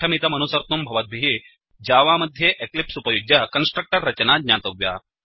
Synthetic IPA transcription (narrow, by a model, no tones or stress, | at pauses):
ɐmit̪ɐmɐnusɐɾt̪umbʱɐʋɐd̪̚bʱiɦi | d͡ʒaːʋaːmɐd̪ʱjeːʔeklipsupɐjuɡjɐkɐnsʈɾɐk̚ʈɐɾːɐt͡ʃɐnaːd̪ɲaːt̪ɐʋja̰ː